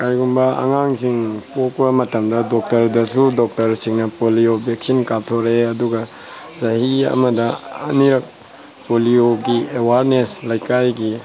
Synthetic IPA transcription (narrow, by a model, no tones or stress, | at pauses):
kajɡumbɐɐ̰ŋaŋsiŋpok̚bɐmɐtɐmdɐdɔk̚tɐɾdɐsudok̚tɐɾsiŋnɐpolijobek̚sinkap̚tʰoɾeɐduɡɐ | zɐhiɐ̰mɐdɐɐ̰niɾɐk̚ | polioɡiewaɾneslajkajɡi